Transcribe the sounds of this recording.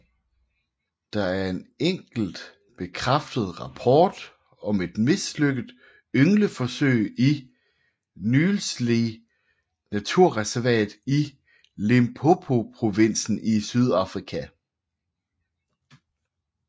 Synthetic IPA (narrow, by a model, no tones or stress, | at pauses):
d̥ɑ̈æɐe̝neŋ̰ɡ̥l̩d̥ | b̥e̝kʰʁafd̥əð̞̩ˠʁɑ̈pʰɒːd̥ | ɒ̽me̝d̥me̝sløɡ̥əð̩ˠ | øŋləfɒ̽søɪi | nyːl̩sli | næt͡sʰuɐ̰ʁɛsæɐʋɛ̰ːd̥ˠi | le̝mpʰo̝pʰo̝pʰʁo̝ʋen̰sn̩isyð̞ˠɑ̈fʁikʰæ